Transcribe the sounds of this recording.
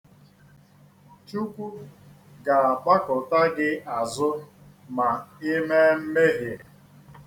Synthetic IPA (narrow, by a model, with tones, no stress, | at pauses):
t͡ʃu˦kʷu˦ | ɡa˨a˨k͡pa˦kʊ˨ta˦ɡɪ˦a˨zʊ˦ | ma˨ɪ˦me˦m̩˦me˦ɦɪ˨